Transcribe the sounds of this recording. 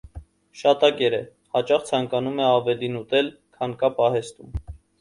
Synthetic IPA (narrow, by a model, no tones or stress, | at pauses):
ʃɑt̪ɑkɛɾɛ | hɑt͡ʃɑχt͡sʰɑŋkɑnumɛɑvɛlinut̪ɛl | kʰɑnkɑpɑɦɛst̪um